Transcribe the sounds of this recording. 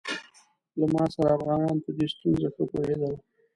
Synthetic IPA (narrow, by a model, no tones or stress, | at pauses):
lamɑsaɾaːfɣɑnɑnpəd̪est̪unzaxəpohed̪əla